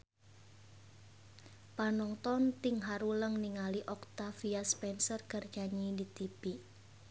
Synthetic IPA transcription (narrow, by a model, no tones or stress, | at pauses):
panɔŋt̪ɔnt̪ɪŋɦaɾuləŋniŋaliʔɔkt̪afiaspɛnsərɡ̥ərd̥d͡ʒ̥a̤ɲidit̪ib̥i